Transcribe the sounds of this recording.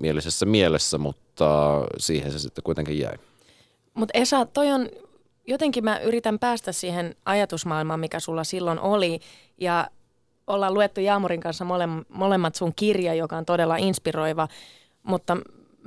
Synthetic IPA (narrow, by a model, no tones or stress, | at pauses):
mielisesːæmielesːæmut̪ːɑsiːhensesit̪ːekuit̪eŋkijjæ̰i | mut̪esɑːt̪t̪ːoion | jot̪eŋkimæʔyrit̪æmpæːst̪æssiːhenɑjɑt̪usmɑːilmɑːmmikæsulːɑsilːonʔoli | jɑ | olːɑluet̪ːujɑːmuriŋkɑnsːɑmolemmolemːɑt̪suŋkirjɑjokɑont̪odelːɑinspiroiʋɑ | mut̪ːɑ